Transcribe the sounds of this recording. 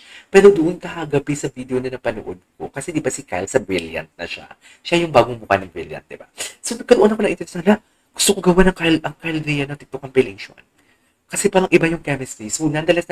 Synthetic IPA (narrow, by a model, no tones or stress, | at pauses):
pɛːɾo̞d̪ʊʔonkɐhaɡɐbɛsɐvid̪eʔonɐnɐpɐnoʔod̪̚ko̞̰kɐsɛd̪ɪbasɪka̰lsɐbɹiljɐ̰nt̪̚nɐ̰ʃa̰ | ʃajʊŋbaːɡʊŋbʊka̰nɐŋbḭljɐ̰nt̪̚d̪ɪbasonɐkːɐnoʔonːɐkoɐʔɪnt̪ɛɾɛsanla | ɡ̥ʊ̥st̪okoɡɐwanɐŋkajlʔɐŋkajlɾijɐnːɐt̪ɪk̚t̪okɐŋpɛlɪŋʃo̰n | kɐsɛpaːɾɐŋʔɪbajʊŋkɛmɛst̪ismulɐnd̪ɐlɐs